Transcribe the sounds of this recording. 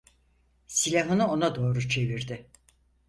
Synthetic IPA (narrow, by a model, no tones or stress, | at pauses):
silʲaɦɯnɯo̞nad̪o̞ːɾut͡ʃʰe̞viɾd̪ɪ